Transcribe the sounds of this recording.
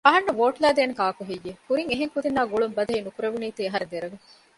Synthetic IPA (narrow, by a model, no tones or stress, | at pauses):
ɐɦɐnːɐʋoːʈlæːd̪eːnekaːkuɦejːekuɾiŋeɦeŋkud̪inːaːɡuɭumbɐd̪ɐɦiːnukuɾɐʋuniːt̪iːɐɦɐɾed̪eɾɐɡe